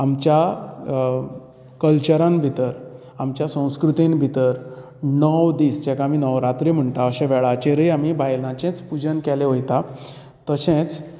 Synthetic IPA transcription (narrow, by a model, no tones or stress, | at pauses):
amt͡ɕja | kəlt͡ɕəɾãnbʱit̪əɾ | amt͡ɕjasə̃w̃skɾut̪inbʱit̪əɾ | nəwd̪iːsd͡ʑɛkaamiːnəwɾat̪ɾim̤əɳt̪aəɕɛ̃ʋɛɭat͡ɕeɾəjam̤ibajlãt͡ɕɛ̃t͡spud͡ʑənkɛleɦojt̪a | t̪əsẽt͡s